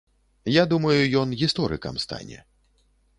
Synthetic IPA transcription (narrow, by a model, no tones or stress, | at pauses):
jad̪umɐjujɔnɣʲist̪ɔɾɨ̰kɐ̰mst̪a̰nʲɛ̰